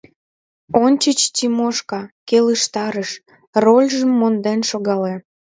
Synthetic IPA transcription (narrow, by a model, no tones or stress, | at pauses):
onʲt͡ɕət͡ɕtʲimoʃkɑkeləʃt̪ɑɾəʃ | rolʲʒəmːond̪enʃoɣɑle